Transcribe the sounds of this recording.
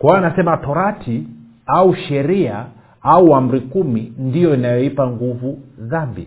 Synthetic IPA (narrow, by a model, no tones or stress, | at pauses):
kwanasɛmatɔɾatʰi | auʃɛɾia | auam̩ɾikumindijɔinajɔipaŋɡuvuðambḭ